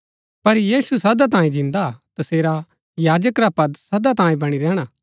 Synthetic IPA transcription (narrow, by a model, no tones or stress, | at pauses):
pɐɾjiːsusɐd̪at̪̬ãːĩd͡ʒɪ̃nd̪at̪aseːɾa | jaːd͡ʒəkɾapɐd̪sɐd̪at̪ãːĩbɐɽ̃iɾɛːɽ̃aː